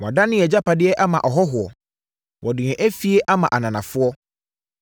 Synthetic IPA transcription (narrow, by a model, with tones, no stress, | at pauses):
wɔ̃˨da˦nɪ̃˦ɛ˨d͡ʑa˦pa˨dɪ˦ɛ˦ʔa˦mã˨ʔɔ˨ɦɔ˦ɦʊ˨ɔ˨ | wʔɔ˨dɪ˨ɛ̃˨ʔæ˦fi˦e˦ʔa˦mã˨ʔa˨nã˨nã˨fʊ˦ɔ˦